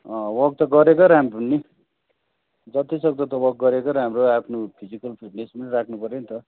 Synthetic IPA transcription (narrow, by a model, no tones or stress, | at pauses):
ʌ̃wʌɡ̚t̪ʌɡʌɾekoɾʌɦamipunːi | d͡zʌt̪isʌɡ̚t̪ʌt̪ʌwʌɡ̚ɡʌɾekoɾʌɦamroapʰnopʰid͡zikʌlpʰiʈnesmalrakʰnupʌɾenit̪ʌ